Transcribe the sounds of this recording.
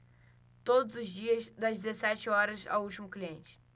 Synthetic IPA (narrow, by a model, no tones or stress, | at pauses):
t̪od̪ʊzʊzd͡ʒiɐzd̪ɐzd͡ʒɪzesɛt͡ʃɪɔɾɐza̰wut͡ʃimʊkliẽnt͡ʃɪ̥